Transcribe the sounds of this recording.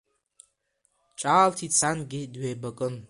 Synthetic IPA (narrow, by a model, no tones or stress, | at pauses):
t͡ʃʼaːltʰit͡sʰanɡʲidɥeːbakʼɨn